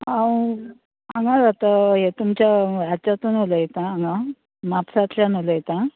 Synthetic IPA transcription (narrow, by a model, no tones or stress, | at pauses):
ɦãw | ãŋɡaɾat̪aɦet̪umt͡ɕjaat͡ɕat̪unoləjet̪aːŋɡa | mapsat̪ljanoləjet̪ã